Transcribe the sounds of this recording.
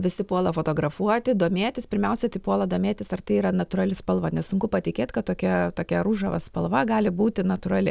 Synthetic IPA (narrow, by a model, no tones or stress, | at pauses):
ʋʲɪsʲɪpuɔlˠɐfoːt̪oːɡɾɐfuɔt̪ʲɪd̪oːmʲeːt̪ʲɪspʲɪɾʲmʲɛʊsʲɛt̪ɐɪpuɔlˠɐd̪oːmʲeːt̪ʲɪsɐrt̪ɐɪiːɾɐnɐt̪ʊrɐlʲɪspɐlˠʋɐnʲɛssʊŋkʊpɐt̪ʲɪkʲeːt̪ʲkɐt̪tːoːkʲɛt̪oːkʲɛɾuːʒɐʋɐ̰spɐlˠʋɐɡɑːlʲɪbuːt̪ʲɪnɐt̪ʊɾɐlʲɪ